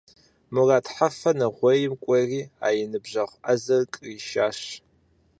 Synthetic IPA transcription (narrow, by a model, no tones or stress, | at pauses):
mɨraːtħafɐnɐʁʷɔjɪmkʷʼɔriːa̰ːjɪnɨbʑɐʁʷʔɐzɐrkʼriʃaːʃ